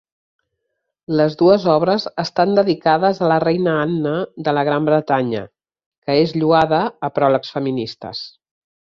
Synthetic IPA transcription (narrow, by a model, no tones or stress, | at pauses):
ləzðuəzɔβɾəzəst̪and̪əðikaðəzələrɛjnəanːəðələɣ̞ɾambɾət̪aɲə̰ | kəezʎuaðəːpɾɔləksfəminist̪ə̰s